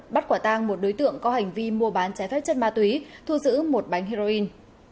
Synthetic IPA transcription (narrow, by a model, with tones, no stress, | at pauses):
ɓa˦˥t̚kwaː˧˩t̪aː˧ŋmo˨˩t̚ɗo˨˦jt̪ɨ̰˧˨əŋkɔ˨˦ha˨˩jŋ̟vi˧mu˧əɓaː˨˦nt͡ɕaː˧˩jfɛ˦˥p̚t͡ɕə˦˥n̚maː˧t̪wi˨˦t̪ʰu˧zɨ̰˧˥mo˨˩t̚ɓa˨˦jŋ̟ɦi˧zo˧ʔi˧n